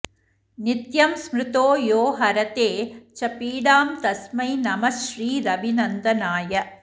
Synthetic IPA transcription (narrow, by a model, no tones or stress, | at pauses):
nɪt̪jɐmsmɾɪt̪oːjoːɦɐɾɐt̪eːt͡ʃɐpiːɽaːmt̪ɐsmɐɪnɐmɐʃɾiːɾɐbinɐnd̪ɐnaːjɐ